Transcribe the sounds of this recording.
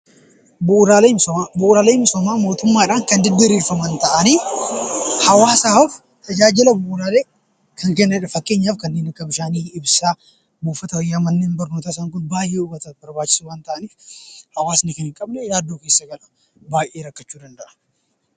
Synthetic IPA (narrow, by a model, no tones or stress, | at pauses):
buʔɾaːlesabʊʔɾaːleːɪmsɔmaːmo̞ːt̪ʊmːaːɪᶑaːŋkɐnd̪ɪd̪ːɐɾiːɾfɐmɐnt̪ɐʔɐniː | hɐwaːsaːɐf | t̪ʰɐd͡ʒaːd͡ʒɪlɐbʊʔʊɾaːleː | kɐŋkɛnːɐɪᶑɐfɐkːe̞ːɲːaːfkɐnːe̞ːnɐkːɐbɪʃaːniːɪbsaː | buːfɐt̪ɐwɔjːaːmɐnːeːnbɐɾno̞ːt̪as̬aːŋkʊnbaːjʔeːʊbɐt̪ɐbɐɾbaːt͡ʃːɪ̥suːwaːnt̪ɐʔɐniːfhɐwaːsnɪkɐnhɪŋkʼɐbnɛjaːd̪ːoːke̞ːsːɐɡɐlɐ̥ | baːjʔe̞ːɾɐkːɐt͡ʃːuːd̪ɐnd̪ɐʔɐ̥